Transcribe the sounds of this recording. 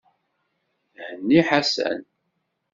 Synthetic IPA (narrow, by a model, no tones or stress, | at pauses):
hənːiħasæ̰n